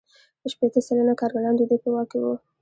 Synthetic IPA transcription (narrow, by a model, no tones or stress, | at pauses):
əʃpet̪əsalənakɑɾɡalɑnd̪əd̪əpəwɑkewu